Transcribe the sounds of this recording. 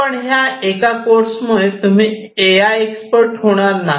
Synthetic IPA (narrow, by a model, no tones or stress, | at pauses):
pəɳɦjaekakoɾsmuɭet̪um̤i | eajekspəɾʈɦoɽ̃aɾna